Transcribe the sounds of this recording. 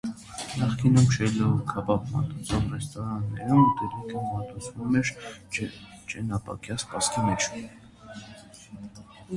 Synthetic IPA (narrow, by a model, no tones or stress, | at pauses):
nɑχkinumʃʰɛlɔkʰɑpɑpmɑ̰t̪ut͡sʰɔʁrɛst̪ɔɾɑnːɛ̰ɾumut̪ɛɾikəmɑt̪ut͡sʰvumɛɾ | t͡ʃɛnɑpɑ̰kjɑspɑskimɛt͡ʃʰ